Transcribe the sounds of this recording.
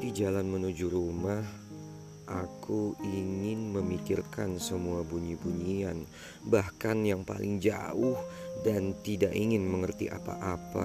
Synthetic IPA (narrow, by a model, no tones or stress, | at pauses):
did͡ʒalanmənud͡ʒuɾumah | ʔakʰuiŋɪnməmikɪrkansəmuabuɲibuɲian | bahkanjaŋpa̰lʔɪŋd͡ʒa̰ʊhdant̪idaʔiŋɪnməŋərt̪ḭʔa̰pa̰ʔapa̰